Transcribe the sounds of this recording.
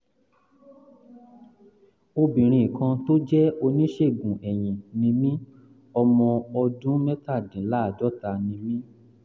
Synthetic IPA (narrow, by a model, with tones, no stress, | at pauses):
o˧bĩ˨ɾ̃ĩ˧˨i˨kã˧to˦d͡ʒɛ˦o˧nĩ˦ʃe˦˨ɡũ˨ʔɛ˨j̃ĩ˨nĩ˧mĩ˦ | ɔ˧mɔ̃˧ɔ˧dũ˦mɛ̃˦ta˦˨dĩ˨˦la˦a˦˨d͡ʒɔ˦ta˧nĩ˧mĩ˦